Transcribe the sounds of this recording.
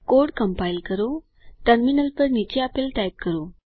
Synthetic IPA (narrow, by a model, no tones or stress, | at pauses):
koɾɽkəmpajilkəɾo | ʈəɾminəlpəɾnit͡ɕeapelʈajp̚kəɾo